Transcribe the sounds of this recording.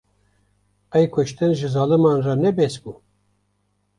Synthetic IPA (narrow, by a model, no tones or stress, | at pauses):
ɛjkʷʰʊʃt̪ɨnʒɨzɑːlɨmɑnrɑnɛbɛsbu